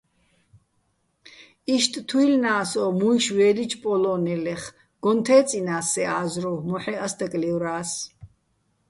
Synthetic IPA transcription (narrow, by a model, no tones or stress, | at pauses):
iʃt̪ʼt̪ʰuilnaːsɔmuiʃwɛːlit͡ʃʰpʼɔlɔnɛlɛχ | ɡ̥ɔnt̪ʰɛːt͡sʼinaːsɛaːzɾɔmɔħɛasd̪akʼliwɾaːs